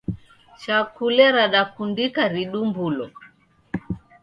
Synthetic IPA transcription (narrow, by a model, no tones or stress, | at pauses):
t͡ʃakulɛɾaɗakundikaɾiɗumbulɔ